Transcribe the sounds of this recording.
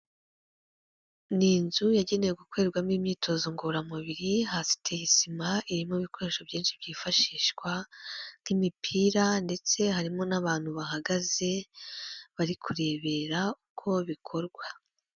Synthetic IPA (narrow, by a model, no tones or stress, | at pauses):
niːnzujaɟe̞ne̞jeɡukwe̞ːɾɡwamiːmɲiːtʰo̞zoŋɡoɾamuβiɾiɦasi̥tʰejisimaʔiɾimoβiko̞ɾe̞ʃo̞βɟiːnʃibɟiːfaʃiːʃkwan̥imipʰiːɾande̞t͡se̞ɦaɾimo̞naβaːn̥huβaɦaɡaze̞ | βaɾikʰuɾe̞ːβe̞ɾaukʰo̞βikʰo̞ɾɡwa